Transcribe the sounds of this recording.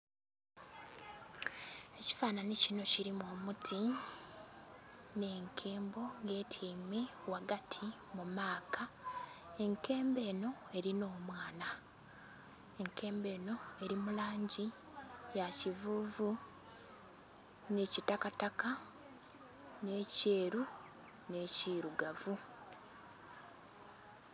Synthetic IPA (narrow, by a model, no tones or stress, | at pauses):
e̞ci̥faːnanicino̞ciɾimomutʰi | ne̞ːŋkʰeːmbo̞ŋɡe̞ːtʰiːmewaɡatʰi | mumaːka | e̞ŋke̞ːmbe̞ːno̞e̞ɾino̞ːmwaːna | e̞ŋkʰe̞ːmbe̞ːno̞e̞ɾimulaːɲɟijacivuːvu | necitakataka | ne̞ːce̞ːɾu | ne̞ːciɾuɡavu